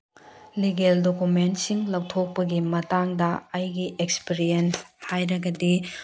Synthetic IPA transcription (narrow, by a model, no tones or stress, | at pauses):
liɡeldokumentsiŋlɐwtʰok̚pɐɡimɐtaŋdɐɐjɡiʔekspiɾijenshajɾɐɡɐdi